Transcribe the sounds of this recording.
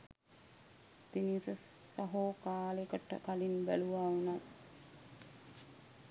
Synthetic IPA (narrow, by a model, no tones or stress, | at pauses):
t̪inisəsaɦoːkaːlekəʈə̰kalinbæ̰luʋaunat̪